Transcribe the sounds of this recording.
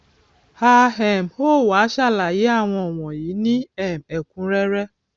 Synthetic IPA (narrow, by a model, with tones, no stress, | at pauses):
ha˧ɦɛ˨mho˦˨wa˨˦ʃa˦˨la˨ji˨˦a˦˨w̃ɔ̃˧ɔ˨w̃ɔ̃˨jiː˨˦nĩ˦ɛ˦˨mɛ˨kũ˨˦ɾɛ˦ɾɛ˦